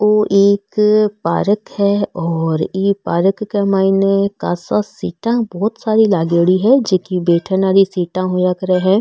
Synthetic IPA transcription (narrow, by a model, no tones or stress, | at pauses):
oʔeːkpa̰ːɾəkhɛɔːɾiːpaːɾəkːemaːɪnekaːsasiːʈãbɔːt̪saːɾilaːɡeːɽiɦɛd͡ʒekibeːʈʰənaːɾisiːʈãɦojakəɾeɦɛ̃ː